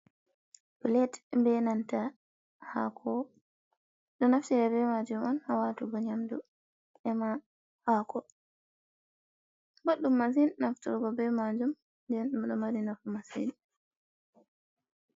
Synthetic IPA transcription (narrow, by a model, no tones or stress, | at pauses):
bulɛtmbɛnanta | ha̰kʰɔ | ɗɔnaftiɾɛbɛmad͡ʒumɔnhawatuɡɔɲamdu | ɛma | hakʰɔ | boɗːumːazinnaftṵɾɡɔbɛmad͡ʒum | ndɛnɗɗɔmaɾinafumasḭni